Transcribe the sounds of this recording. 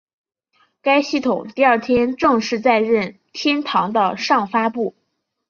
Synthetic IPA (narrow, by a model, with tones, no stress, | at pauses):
ka˥ɪɕi˥˩t̪ʰʊ˨˩ŋt̪i˥˧ɐ˞˥˩t̪ʰjɛ˥nʈ͡ʂɤ˥˧ŋʂɻ̩˥˧t͡sa˥˧ɪɻə˥˩n | t̪ʰjɛ˥nt̪ʰɑ˧˥ŋd̪ə˧ʂɑ˥˩ŋfa˥pu˥˩